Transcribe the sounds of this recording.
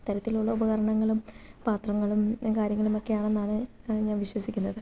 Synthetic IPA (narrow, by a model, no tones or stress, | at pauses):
t̪ɐɾɐt̪ːiluɭːɐubɐɣɐɾɐɳɐŋːɐɭumpaːt̪rɐŋːɐɭumkaːɾjɐŋːɐɭumo̞kːe̞jaːɳe̞nːaːɳɨ | ɲaːnʋiɕwɐsikʲːunːɐðɨ